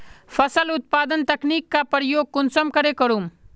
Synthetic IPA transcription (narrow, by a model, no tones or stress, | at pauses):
fʰɐsəlʊt̪̚paːd̪ənt̪ɐkniːkːapəɾjoːɡ̚kʊnsəmkəɾekəɾum